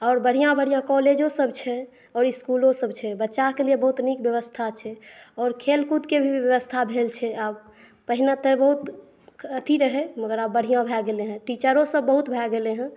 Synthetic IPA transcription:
ɔːɾbəɽ̤ijãbəɽ̤ijãkɔled͡ʒosəbt͡ʃʰɛ | ɔːɾiskulosəbt͡ʃʰɛbətːʃakelijebəɦut̪nikbjəʋəst̪ʰat͡ʃʰɛɔːɾkʰelkut̪kebʱibjəʋəst̪ʰabʱelt͡ʃʰɛab | pəɦinat̪əbəɦut̪ | ət̪iɾəɦɛməɡəɾabəɽ̤ijãbʱɛɡeleɦɛ̃ʈit͡ʃəɾõsəbːəɦut̪bʱɛɡeleɦɛ̃

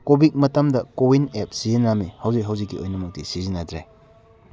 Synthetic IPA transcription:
kobit̚mɐtɐmdɐkowinep̚sizinamihɐwzikɦɐwzikːiojnɐmɐk̚tisizinɐdɾḛj

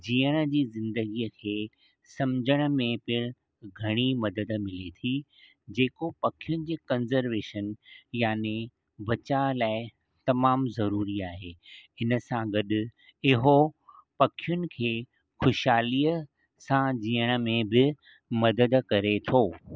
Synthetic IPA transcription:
d͡ʑiːəɽ̃ə̆d͡ʑiːzɪ̃nd̪əɡiəkʰeː | sɐ̃md͡ʑʱəɽ̃ə̆mẽpɪɾ | ɡʱɐɽ̃imɐd̪əd̪mɪlet̪ʰi | d͡ʑeːkopɐkʰijʊnɪ̆d͡ʑeːkɐnzəɾʋeːʃənjaːne | ʋɐt͡ɕalaːɪ | t̪ɐmaːmzɐɾuːɾiaːɦeːɪnə̆sãɡɐɗʊ | ɪɦopɐkʰijʊnɪ̆kʰeː | xʊʃaːliːə | sãd͡ʑiːəɽ̃ə̆mẽbɪ | mɐd̪əd̪kɐɾet̪ʰoː

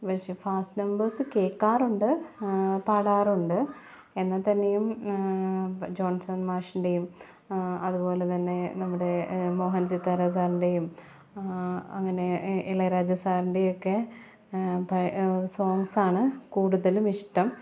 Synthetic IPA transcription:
pɐʂefaːsʈnɐmbɐrsɨkeːkːaːruɳɖɨ | paːɽaːruɳɖɨ | enːɐt̪ːɐnːejum | d͡ʑo̞ːnsɐnmaːʂuɳɖe̞jum | ɐðupo̞ːle̞t̪ɐnːe̞nɐmːuɽe̞mo̞ːɦɐnsit̪ːaɾɐs̬aːɾuɳɖejum | ɐŋːɐne̞iɭɐɾaːd͡ʑɐsaːɾiɳɖijo̞kːe̞ | pɐso̞ːŋsaːɳɨkuːɽuðɐlumiʂʈɐm

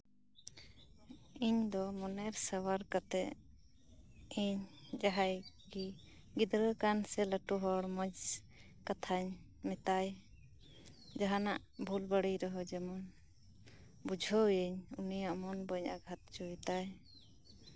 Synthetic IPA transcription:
iɲd̪ɔmɔnɛɾsəwaɾkat̪ɛʔ | iɲd͡ʒaɦaj | ɡi | ɡid̪ɾəkansɛləʈuɦɔɽməd͡ʒ | kat̪ʰaɲ | mɛt̪aj | d͡ʒaɦana̰ʔbʱulbəɽijɾɔɦɔd͡ʒɛmɔn | bud͡ʒʱɔjəɲunijaʔmɔnbəɲa̰ɡʱat̪̚t͡ʃujt̪aj

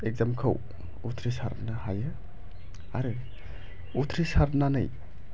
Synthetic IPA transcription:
ek̚zamkʰɯ̰w | utʰɾisa̰ɾnahajɯ | aɾɯ | utʰɾisaɾtnanɯ̰j

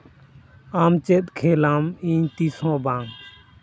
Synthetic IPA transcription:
amt͡ʃɛt̪kʰelamĩɲt̪isɔ̃ːbãːŋ

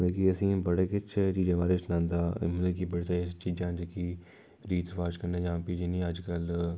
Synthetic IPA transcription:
d̪ekiəsĩːbəɽeːkɪt͡ʃt͡ʃiːd͡ʒãːbaːɾesnãːnd̪a̰ːmnd̪eːkibəɽit̪aet͡ʃiːd͡ʒãːɦd͡ʒeki | ɾiːt̪ʋaːd͡ʒkəɾnẽːd͡ʒãːpid͡ʒiːnĩːəd͡ʒkəl

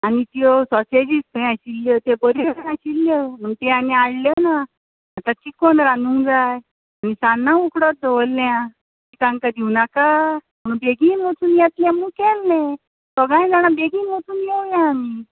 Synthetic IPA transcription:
anit̪iɔsɔsed͡ʑist̪əj̃aɕilːjət̪ebəɾiaɕilːjəm̤əɡt̪eanĩaɽljənaː | t̪akikːɔnɾanũŋd͡zaj | anisanːãukɽɔt̪̚d̪ɔʋəlːjã | mit̪ãŋkad̪iwnakam̤əɽ̃ũbeɡiːnɦot̪uːnjat̪lãmukɛlːẽ | sɔɡãjd͡zaɽ̃abeɡiːnʋot̪uːnjewjãːmi

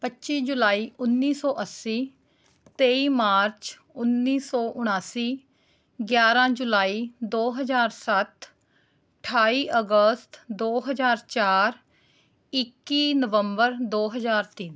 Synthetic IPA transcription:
pətːʃiːd͡ʒʊlaːiːʔʊnːiːsɔːʔəsːiː | t̪eːiːmaːɾt͡ʃ | ʊnːiːsɔːʔʊɽ̃aːsiː | ɡjaːɾãːd͡ʒʊlaːiːd̪oːɦəzaːɾsət̪ | ʈʰaːiːʔəɡəst̪d̪oːɦəzaːɾt͡ʃaːɾ | ɪkːiːnəʋəmbəɾd̪oːɦəzaːɾt̪in

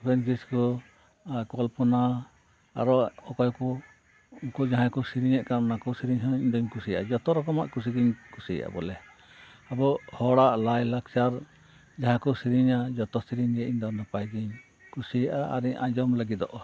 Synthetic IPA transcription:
pʰbɛnsiskɔ | kɔlpɔna | a̰ɾɔɔkɔjkɔ | uŋkɔd͡ʒaɦãkɔsiɾiɲɛʔkaɾnakɔsiɾiɲɦɔiɲd̪ɔɲkusija̰ʔa̰d͡ʒɔt̪ɔɾɔkɔma̰ʔkus̬iɡiɲkusija̰ʔa̰bɔlɛ | abɔhɔɽaʔlajlak̚t͡ʃaɾ | d͡ʒaɦãkɔsiɾiɲad͡ʒɔt̪ɔsiɾiɲɡɛʔiɲd̪ɔnapajɡiɲ | kusijaʔaa̰ɾiɲʔa̰d͡ʒɔmləɡid̪ɔ̰ʔɔ

